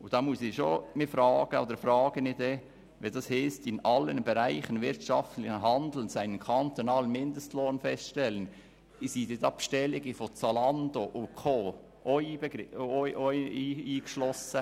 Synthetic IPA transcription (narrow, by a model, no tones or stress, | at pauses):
ʊd̥ɑmusɪʃoːmɪfɾɑːɡ̥əo̰ːd̪əɾfɾɑːɡ̥ənid̪eː | ʋid̥ɑshɪːstɪnɑlənbɛɾaɪχənvɪɾtʃɑftlɪçəɦɑnd̪l̩nsaɪnənkʰɑnt̪onɑːlənmɪnd̪əstloːnfɛstʃtɛlən | isidetɑpʃtɛlɪɡifot͡sɑlɑnd̪oʔʊkʰoː | ʔɔʏbəɡɔʔɔiːiːɡ̥ʃlɔsə